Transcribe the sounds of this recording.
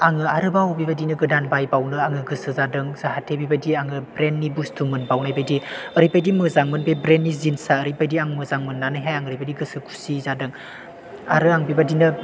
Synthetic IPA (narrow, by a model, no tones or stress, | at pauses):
aŋɯaɾɯbawbibadinɯɡɯdanbajbawnɯaŋɯɡɯsɯzadɯŋzahatʰebibadiaŋɯbɾenːibustʰumɯnbawnajbajdiəɾibajdimɯzaŋmɯnbebɾenːizinsaəɾipajdiaŋmɯzaŋmɯnːanɯɦajaŋɯɾijbadiɡɯsɯkʰu̥sizadɯŋ | a̰ɾɯaŋbibadinɯ